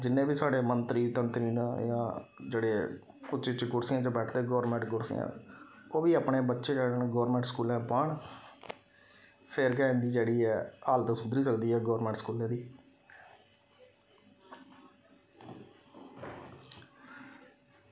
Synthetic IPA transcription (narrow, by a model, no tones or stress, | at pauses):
d͡ʒɪnːẽːbiːsaːɖeːmənt̪ɾiːt̪ənt̪ɾiːnːjãːd͡ʒeːɽeː | ʊt͡ʃːt͡ʃːɪt͡ʃɡʊɽsɪjãːd͡ʒãːbɛːʈʰd̪eːɡɔːɾmɛ̃ːɳʈɡʊɽsɪ̰jã̰ːoːbiːaːpɳeːbətːʃeːkɛːɽəɳɡɔːɾmɛ̃ɳʈskuːlãːpəːɳ | pʰeɾkɛ̃ːnd̪iːd͡ʒeːɽiːɛːaːlt̪ãːsʊd̪ɾiːsəkd̪iːɛːɡɔːɾmɛ̃ːɳʈskuːlẽːd̪iː